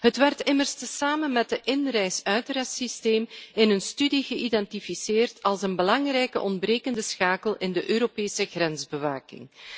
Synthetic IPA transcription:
ɦətʋɛrtɪmərstəsaːmənmɛt̚dəʔɪnrɛjsœɥtəɾɛsisteːmɪnənstydiɣəʔidɛntifiseːrtʰɑlˠsənbəlɑŋrɛjkə̰ʔɔndbreːkəndəsxaːkəlˠɪndəʔøːɾopeːsəɣrɛnzbəʋaːkɪ̰ŋ

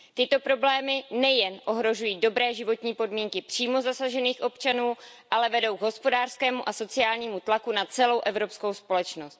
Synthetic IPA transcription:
t̪ɪt̪o̞pɾo̞blɛːmɪnɛjɛnʔo̞ɦɾo̞ʒujiːdo̞bɾɛːʒɪvo̞t̪ɲiːpo̞dmiːŋkɪpr̝̥iːmo̞zasaʒɛniːxʔo̞pt͡ʃanuː | ʔalɛvɛdo̞wɡɦo̞spo̞daːr̥skɛːmuʔaso̞t͡sɪaːlɲiːmut̪lakunat͡sɛlo̞wʔɛvɾo̞pskowspo̞lɛt͡ʃno̞st̪

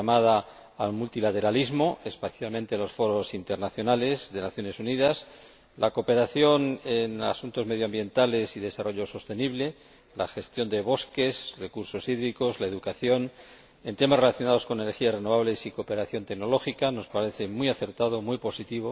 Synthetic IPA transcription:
amaðaː | lmult̪ilat̪e̞ɾalizmo̞e̞spaθjalmẽnt̪e̞lo̞sfo̞ɾo̞sint̪eɾnaθjo̞nale̞zðe̞naθjo̞ne̞suniðas | lako̞pe̞ɾaθjo̞nena̰sunt̪o̞zme̞ðjoambje̞nt̪ale̞siðe̞saroʎo̞so̞st̪e̞niβle̞ | la̰xe̞st̪jo̞nd̪e̞β̞o̞ske̞srekuɾso̞siðɾiko̞zlaeðukaθjo̞n | e̞nt̪e̞masre̞laθjo̞nað̞osko̞nenexiasre̞no̞β̞aβle̞siko̞pe̞ɾaθjo̞nt̪e̞ɡno̞lo̞xikano̞spaɾe̞θe̞mujaθe̞ɾt̪að̞o̞mwipo̞sit̪iβ̞o

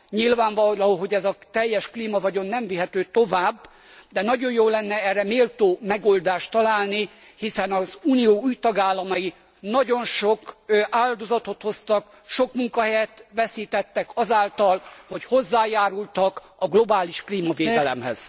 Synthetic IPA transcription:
ɲilvaːɱvɒlɒoɦo̞ɟɛzɒt̪ɛjːɛʃkliːmɒvɒɟo̞nːɛɱviɦɛt̪øːt̪o̞vaːbː | d̪ɛnɒɟo̞jjoːlːɛnːɛɛrːɛmeːlt̪oːmɛɡo̞ld̪aːʃt̪ɒlaːlni | hisɛnɒzuːnijoːuːjt̪ɒɡaːlːɒmɒji | nɒɟo̞nʃo̞kʔaːld̪o̞zɒt̪o̞t̪ho̞st̪ɒk | ʃo̞kmuŋkɒɦɛjɛt̪ʋɛsiːt̪ɛt̪ːɛkɒzaːlt̪ɒlho̞cho̞zːaːjaːɾult̪ɒk | ɒɡlo̞baːliʃkliːmɒveːd̪ɛlɛ̰mhɛ̰z̥

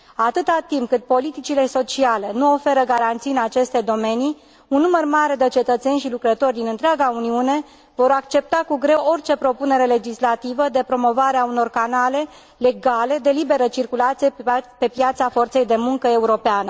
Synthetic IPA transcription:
at̪ɨt̪at̪impkɨt̪̚po̞lit̪it͡ʃile̞so̞t͡ʃiale̞nuo̞fe̞ɾəɡaɾant̪sijɨnat͡ʃe̞st̪e̞d̪o̞me̞ni | unːumərmaɾe̞d̪et͡ʃe̞t̪ət̪se̞nʲʃilukɾət̪o̞rʲd̪inɨnt̪ɾeaɡauniune̞ | vo̞ɾakt͡ʃe̞p̚t̪akuɡɾe̞wo̞rʲt͡ʃe̞pɾo̞pune̞ɾe̞le̞d͡ʒislat̪ivəd̪e̞pɾo̞mo̞vaɾeauno̞rkanale̞ | le̞ɡale̞d̪e̞libe̞ɾət͡ʃirkulat̪sijepe̞pjat̪safo̞rt̪se̞jd̪e̞muŋkəe̞uɾo̞peanə

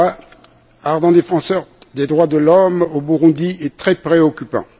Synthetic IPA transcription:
a | aʁd̪ɑ̃d̪efɑ̃sœʁd̪ed̪ʁwad̪əlɔmobuʁũd̪iɛt̪χɛpχeɔkʲypɑ̰̃

